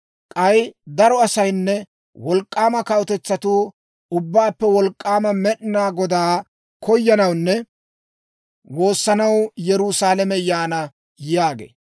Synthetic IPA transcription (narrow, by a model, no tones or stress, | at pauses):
kʼɐjd̪ɐɾɔɐsɐjnːɛ | wɔlkʼːaːmɐkɐɔt̪ɛt͡sːɐt̪uː | ʊbːaːpːɛwɔlkʼːaːmɐmɛɗɪnaːɡɔd̪aː | kɔjːɐnɐwnːɛ | wo̞ːsːɐnɐwjɛɾʊsaːlɐmɛjaːnɐ | jaːɡḛː